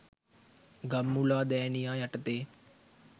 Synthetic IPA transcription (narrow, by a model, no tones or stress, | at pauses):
ɡɐmːulaːd̪ɛːnijaːjɐʈt̪eː